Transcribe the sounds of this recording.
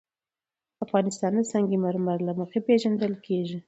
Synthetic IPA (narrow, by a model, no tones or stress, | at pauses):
afɣɑnɪst̪ɑnd̪əsɑŋɡimaɾmaɾlaməxepeʒand̪əlkʰeʒi